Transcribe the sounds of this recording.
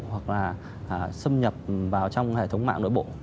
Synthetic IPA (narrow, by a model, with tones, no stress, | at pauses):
ɦwa˨˩k̚laː˨˩ | ʔːsə˧ŋ͡mɲə˨˩p̚vaː˨˩wt͡ɕɔ˧wŋ͡mhḛ˧˩˨t̪ʰə˨˦wŋ͡mma̰ː˧˨ŋno̰˧˨jɓo̰˧˨